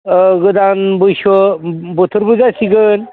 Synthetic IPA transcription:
ɡəd̪anbuɕobut̪ʰuɾbuzasiɡən

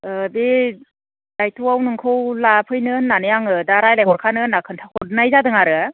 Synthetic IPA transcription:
ɯbe | dajtʰuwawnɯŋkʰɯwlapʰɯjnɯnːanɯjaŋɯdaɾajlajɦɔɾkʰanɯnakʰɯntʰakʰɔɾnajzadɯŋaɾɯ

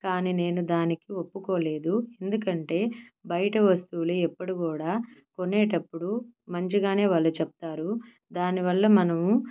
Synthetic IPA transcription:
kaːniːne̞ːnud̪aːnikiopːukoːle̞ːd̪ue̞nd̪uk̬ɐɳʈe̞ːbɐjɐʈɐʋɐst̪uːluɛpːɐɽukuːɽaːkonɛːʈɐpːuɽumɐɲt͡ʃiɡaːne̞ːʋɐlːɐt͡ʃɛp̚t̪aːɾu | d̪aːniʋɐlːɐmɐnɐmu

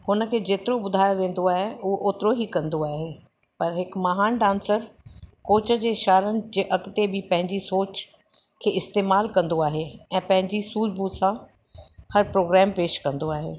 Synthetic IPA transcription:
hʊnə̆kʰeːd͡ʑeːt̪ɪɾobʊd̪ʱaːjoʋẽːn̆d̪oaːɦeuɦoʔoːt̪ɪɾoɦikɐ̃nd̪oaːɦeː | pɐɾɦɪkmɐɦaːnɖãːnsəɾkoːt͡ɕə̆d͡ʑeːʃaːɾənɪ̆d͡ʑeʔɐkt̪ebʱɪpɐ̃ɦɪ̃ɲd͡ʑisoːt͡ɕ | kʰeːɪst̪eːmaːlkɐ̃nd̪oaːɦeɛ̃ːpɐ̃ɦɪ̃ɲd͡ʑisuːd͡ʑbusã | hɐɾpɾoːɡɾɛːmpeːʃkɐ̃nd̪oaːɦeː

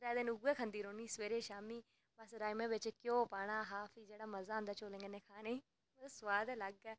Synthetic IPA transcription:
ɾɛːd̪ɪnʊɡːɛːkʰənd̪iːɾoːniːsʋeːɾeːʃaːmiː | bəsɾaːimẽːʋɪt͡ʃkjõːpaːɽ̃aːɦaːpʰiːd͡ʒeːɽaːməzaːə̃nd̪aːt͡ʃoːlẽːŋɡeːnɛ̃ːkʰaːneː | sʋaːd̪ɛːləɡɛː

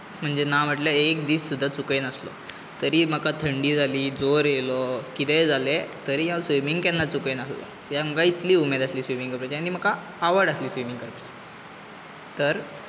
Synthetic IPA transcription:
m̤əɳd͡zenaʋ̤əʈljaek̚d̪iːssud̪ʱːat͡sukenəslɔ̰ | t̪əɾiːm̤əkat̪ʰəɳɖiːd͡zʱaliːd͡zoɾjelɔkit̪ɛd͡zʱalet̪əɾiːjasʋimiŋɡkɛ̃nːat͡sukenəslɔ̰ | jam̤əkait̪liːumed̪asliːsʋimiŋɡkəpɾəd͡ʑeanim̤əkːaː | ʋəɽasliːsʋimiŋɡkəɾp | t̪əɾ

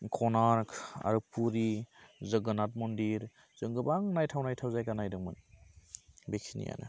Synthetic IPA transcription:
kʰɔnaɾkʰa̰ɾɯpːuɾizəɡənat̚mɔndiɾ | z̥ɯŋɡɯbaŋnajtʰawnajtʰawzajkanajdɯŋmɯn | beksʰinḭja̰nɯ̰

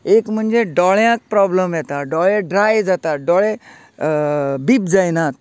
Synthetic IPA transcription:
ekm̤əɳd͡zeɖɔɭjãk̚pɾɔbləmjɛt̪aɖɔɭẽɖɾajd͡zat̪aɖɔɭẽ | biːp̚d͡zajnat̪̚

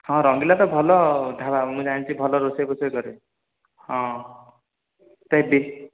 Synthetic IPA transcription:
hʌ̃ɾʌŋɡilat̪ʌbʱʌlɔd̪ʱabamũd͡zaint͡sʰibʱʌlɔɾosekoseɡʌɾe | hʌ̃ | t̪ʌbi

